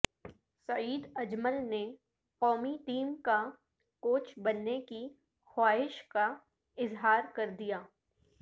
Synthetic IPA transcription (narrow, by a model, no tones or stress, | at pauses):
sɐiːd̪ɐd͡ʒməlne | qɔːmiʈiːmka | koːt͡ʃbɐnːeki | xwaːɦɪʃka | ɪzɦaːɾkɐɾd̪ijaː